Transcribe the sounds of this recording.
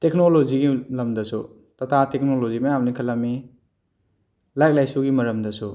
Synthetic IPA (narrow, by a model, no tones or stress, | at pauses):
teknoloziɡilɐmdɐsu | tɐtʰatek̚nolozimɐjamnikʰɐlami | lajk̚lajsuɡimɐɾɐmdɐsu